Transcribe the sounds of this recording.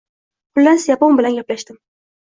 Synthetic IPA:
pʰʊlːansɪjaponbɪlanɡʲaplaʃt̪ɪm

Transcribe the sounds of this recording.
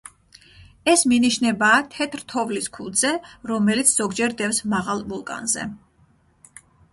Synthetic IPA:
ɛsminiʃnɛbaːt̪ʰɛt̪ʰɾt̪ʰɔvliskʰulˠd̪zɛɾɔmɛlit̪sʰz̥ɔɡd͡ʒɛɾd̪ɛfsmaʁalˠvulˠkʼa̰nzɛ̰

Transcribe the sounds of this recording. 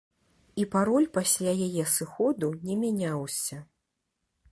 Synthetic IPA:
ipaɾɔlʲpasʲlʲajajɛsɨxɔd̪unʲɛmʲanʲawsʲɐ

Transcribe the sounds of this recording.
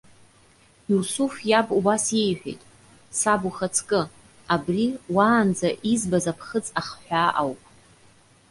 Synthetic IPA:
ursufjabubasje̞jħʷᶣḛjtʼ | sabuχat͡sʰkʼɨ | abriwaːnd͡zaʔizbazapʰχət͡sʼaχħʷᶣaʔawpʼ

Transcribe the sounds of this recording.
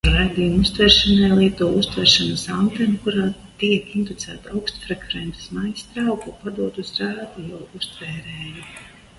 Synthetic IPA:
ɾajd̪ijumust̪vɛːɾʃanɛjlˠiɛt̪uɔust̪vɛːɾʃanɐsant̪ɛmkuɾaːt̪iɛkind̪ut̪sæ̰ːt̪awkst̪fɾɛkvɾɛnt̪e̥smajst̪ɾawkupad̪uɔt̪usɾaːd̪ujawust̪vɛːɾɛːju

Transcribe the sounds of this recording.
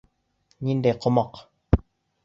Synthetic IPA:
ɲindɛqomɔq

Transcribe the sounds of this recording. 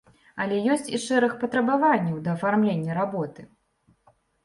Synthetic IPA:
ɐlʲɛjɔsʲt͡sʲiʂɛɾɨxpɐt̪ɾɐbavanʲːɐwd̪ɐːfarmlʲenʲːɐɾabɔt̪ɨ

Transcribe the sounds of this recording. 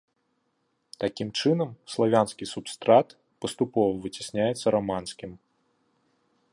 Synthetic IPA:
t̪akʲimt͡ʂɨnɐmslˠavʲanskʲisupst̪ɾat̪ | pɐst̪upɔvɐvɨt͡sʲi̥sʲnʲajɛt̪sːɐɾamansʲkʲim

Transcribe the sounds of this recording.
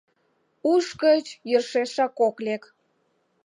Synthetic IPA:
uʃkət͡ɕjərʃeʃɑkoklek

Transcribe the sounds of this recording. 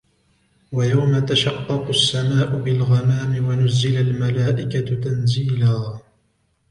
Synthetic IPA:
wajawmat̪aʃɑqːɑqʊsːamaːʔʊbɪlɣɑmaːmɪwanʊzːɪlalmalaːʔɪkat̪anziːlaː

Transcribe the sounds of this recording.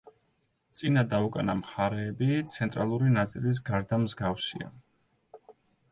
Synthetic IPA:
t̪sʼinad̪aukʼanamχaɾɛːbit̪sʰɛnt̪ʼɾalˠuɾinat̪sʼilis̬ɡaɾd̪amzɡafsḭa̰

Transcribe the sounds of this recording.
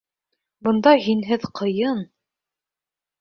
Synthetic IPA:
bɤ̆nd̪ɑɦinɦɘðqʰɤ̆jɤn

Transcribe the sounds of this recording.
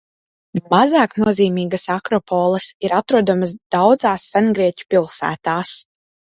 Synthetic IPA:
mazaːknuɔziːmiːɡasakɾɔpʰɔːlˠəsiɾat̪ɾuɔd̪ɔmas̬d̪̥awd̪zaːsːanɡɾiɛcʲu̥pilˠsæ̰ːt̪aːs

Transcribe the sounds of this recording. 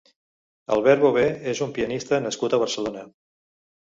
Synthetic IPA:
ə̰lˠβɛɾβoβeezumpiənist̪ənəskut̪əβ̞əɾsəlonə

